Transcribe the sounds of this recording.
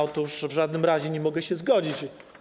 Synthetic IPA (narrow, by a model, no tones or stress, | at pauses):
ɔt̪uʂvʐad̪̚nɘmɾaʑɛɲɛmɔɡɛɕɛzɡɔd͡ʑit͡ɕ